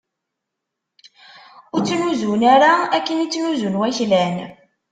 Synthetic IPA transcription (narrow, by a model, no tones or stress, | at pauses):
ʊɾt͡sːnuzunæɾaækːənit͡sːnuzunwæçlæn